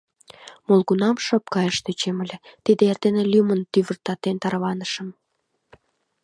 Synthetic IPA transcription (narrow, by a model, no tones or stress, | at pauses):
molɣunɑmʃɤ̆p̚kɑjəʃt̪et͡ɕemə̆lʲĕt̪id̪eerd̪enelʲymənt̪yβərt̪ɑt̪ːent̪ɑɾβɑnəʃə̆m